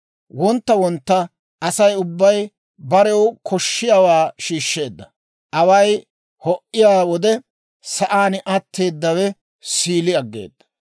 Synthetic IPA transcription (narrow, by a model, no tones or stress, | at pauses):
wɔnt̪ːɐwɔnt̪ːɐ | ɐsɐjʊbːɐj | bɐɾɛwkʰɔʃːɪjaːwaːʃiːʃːe̞ːd̪ːɐ | ʔɐwɐj | hɔʔɪjaːwɔd̪ɛ | sɐʔaːnɪʔɐt̪ːe̞ːd̪ːɐwɛ | siːlɪɐɡːḛːd̪ːɐ̥